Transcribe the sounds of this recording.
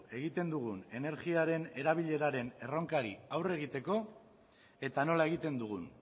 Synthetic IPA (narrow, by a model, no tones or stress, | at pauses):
e̞ɣ̞it̪e̞nd̪uɣune̞ne̞ɾɣiaɾe̞ne̞ɾaβ̞iʎe̞ɾaɾe̞ne̞ro̞ŋkaɾiawre̞ɣ̞it̪e̞ko̞ | e̞t̪ano̞lae̞ɣ̞it̪e̞nd̪uɣ̞un